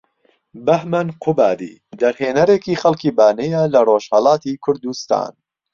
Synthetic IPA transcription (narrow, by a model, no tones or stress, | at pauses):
bɐhmɐnqʰʊbaːd̪ḭː | d̪ɐɾheːnɐɾeːkiːχɐlˠkiːbaːnejɐlɐroʃhɐlɑːt̪iːkʰʊɾd̪ust̪a̰ːn